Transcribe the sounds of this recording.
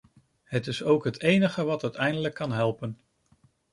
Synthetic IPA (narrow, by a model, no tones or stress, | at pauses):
ɦətɪsowkɦətejnəχəʋɑtœɥtɛjndələkːɑnɦɛlˠpən